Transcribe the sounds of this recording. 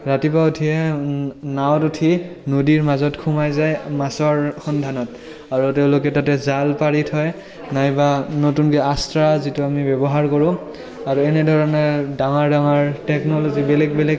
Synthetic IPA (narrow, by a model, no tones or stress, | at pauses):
ɹatipautʰiɛ | nawtutʰinudiɹmazɔtkʰumajzajmasɔɹxɔndʱanɔt̚ | aɹuteʊ̃lokɛtatɛzalpaɹitʰɔj | najbanotunkɛastɹazituamibɛbɔɦaɹkɔɹʊ̃ | aɹuɛnɛdʱɔɹɔnɛdaŋaɹdaŋaɹtɛknɔlozibɛlɛk̚bɛlɛ